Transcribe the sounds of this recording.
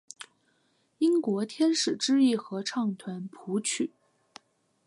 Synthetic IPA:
i˥ŋkwɔ˧˥t̪ʰjɛ˥nʂɻ̩˨˩ʈ͡ʂɻ̩˥i˥˩xɤ˧˥ʈ͡ʂʰɑ˥˩ŋt̪ʰwa˧˥npʰu˧˥t͡ɕʰy˨˩˦

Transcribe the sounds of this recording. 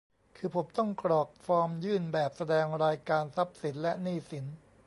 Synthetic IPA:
kʰɯː˧pʰo˩˦mt̪ɔ˥˩ŋkɾɔː˨˩k̚fɔː˧mjɯː˥˩nbɛː˨˩p̚sa˧dɛː˧ŋɾaː˧jkaː˧nsa˦˥p̚si˩˦nlɛ˦˥niː˥˩si˩˦n

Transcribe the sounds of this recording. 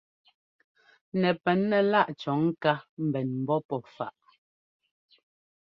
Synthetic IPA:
nɛ˨pɛ˨˦nːɛ˨la˦ʔt͡ʃɔ˨˦ŋ̩˦ka˦m̩˨bɛ˨nm̩˨bɔ˦pɔ˨fa˨ʔ

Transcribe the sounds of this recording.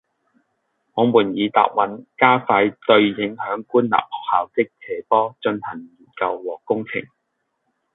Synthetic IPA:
ŋɔː˨˧muː˨˩njiː˨˧t̪a̰ː˨p̚wɐ˨˥nkaː˥faː˧jt̪ɵ˧ɥjɪ˨˥ŋhœː˨˥ŋkuː˥nla̰ː˨p̚hɔː˨k̚haː˨wt͡sɪ˥k̚t͡sʰɛː˨˥pɔː˥t͡ʃɵ˧nhɐ˨˩ŋjiː˨˩kɐ˧wːɔː˨˩kʊ˥ŋt͡sʰɪ̰˨˩ŋ

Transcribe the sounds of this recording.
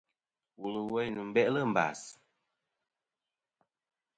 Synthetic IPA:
wu˨lu˨wɛ˦jnu˨m̩˨˦bɛ˦ʔlə˦˨m̩˨ba̰˨s

